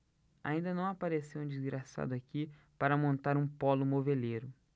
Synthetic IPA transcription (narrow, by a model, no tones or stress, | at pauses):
a̰ĩnd̪ɐnɐ̃w̃apaɾesewũd͡ʒizɡɾasa̰d̪ʊaki | paɾɐmõnt̪aɾũpɔlʊmoveleɾʊ